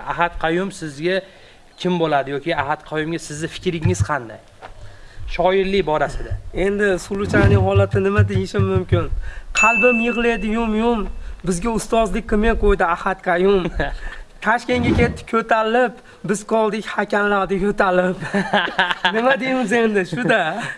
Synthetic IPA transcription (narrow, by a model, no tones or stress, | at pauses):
a̰ɦat̪qʰɑjʊmsɪzɡʲa | kʲʰɪmbolˠad̪ɪjɒkʲiahat̪qʰɑjʊmɡʲasɪzd̪ɪfɪ̥kʲɾɪŋɪz̥qʰɑnd̪a̰j | ʃɒɪɾlɪbɒɾasɪd̪ae̞nd̪ɪsʊlˠʊt͡ʃʰannɪŋɦɒlˠat̪ʰɪnɪmad̪ejɪʃɪmːʊmkʲɪnqʰɑlˠbɪmjɨʁlˠejd̪ɪjʊmjʊmbɪzɡʲaʊst̪ɒzlɪk̚ʲqʰɨmeqʰojd̪ɪahat̪qʰɑjʊm | t̪ʰaʃkʲe̞nɡʲakʲe̞t̪ʰːɪ̥kʲʰɵt̪ʰalɪp | bɪzqʰɒlˠd̪ɪkʲhakʲʰanɾaɾd̪ɪkʲʰɵt̪ʰalɪp | nnɪmad̪ejmɪze̞nd̪ɪʃʊd̪a